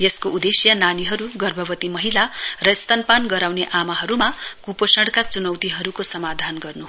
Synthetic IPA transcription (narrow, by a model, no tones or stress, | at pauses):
jʌskoʔud̪esjʌnaniɦʌɾuɡʌrbʱʌbʌt̪imʌɦilarʌist̪ʌnpanɡʌɾawneʔamaɦʌɾumakuposʌɽkat͡sunʌwt̪iɦʌɾukosʌmad̪ʱanɡʌrnu